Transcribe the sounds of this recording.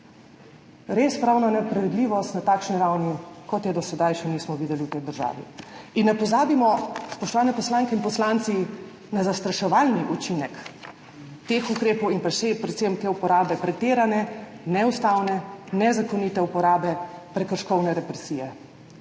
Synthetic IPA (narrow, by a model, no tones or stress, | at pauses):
ɾeːspɾawnanɛpɾʋid̪liʋɔst̪nat̪aːkʃniɾawnikɔt̪jɛd̪ɔsɛd̪ajʃɛniːsmɔʋiːd̪ɛliwt̪ɛjd̪əɾʒa̰ːʋḭinːɛpɔzaːbimɔspɔʃt̪ɔʋaːnɛpɔslaːŋkɛinpɔslant̪si | nazast̪ɾaʃɛʋaːlniʔut͡ʃinɛk | t̪exukɾeːpɔwinpɾaʃsɛpɾɛt̪semt̪eupɔɾaːbɛpɾɛt̪eːɾanɛnɛust̪awnɛnɛzakɔnit̪ɛupɔɾaːbɛpɾɛkəɾʃkɔwnɛɾɛpɾɛsijɛ